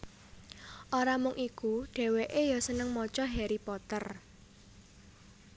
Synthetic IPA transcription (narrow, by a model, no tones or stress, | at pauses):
ʔoɾamʊŋʔikuɖ̥e̤weʔejasənəŋmɔt͡ʃɔɦeɾipɔt̪ər